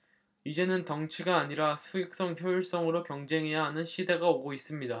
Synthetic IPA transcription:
id͡ʑe̞nɯntʌŋt͡ɕʰiɡaːɲiɾasʰuek̚s͈ʌŋçjojiɭs͈ʌŋɯɾokjʌŋd͡ʑe̞ŋɦe̞jaɦanɯnɕʰide̞ɡaoɡois͈ɯmɲida

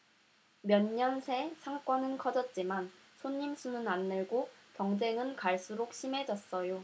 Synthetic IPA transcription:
mjʌɲːʌnsʰe̞sʰaŋk͈wʌnɯnkʰʌd͡ʑʌt̚t͡ɕ͈iman | sʰoɲːimsʰunɯnanːɯɭɡokjʌŋd͡ʑe̞ŋɯnkaɭs͈uɾok̚ɕʰime̞d͡ʑʌs͈ʌjo

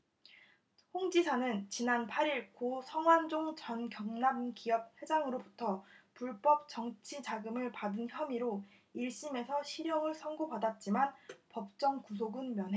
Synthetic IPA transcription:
hoŋd͡ʑisʰanɯnt͡ɕinanpʰaɾiɭkosʰʌŋwand͡ʑoŋt͡ɕʌnkjʌŋnamkijʌp̚he̞d͡ʑaŋɯɾobutʰʌpuɭp͈ʌp̚t͡ɕʌŋt͡ɕʰit͡ɕaɡɯmɯɭpadɯnçjʌmiɾo | iɭɕ͈ime̞sʰʌɕʰiɾjʌŋɯɭsʰʌŋɡopadat̚t͡ɕ͈imanpʌp̚t͡ɕ͈ʌŋkus̬ʰoɡɯnmjʌnɦe

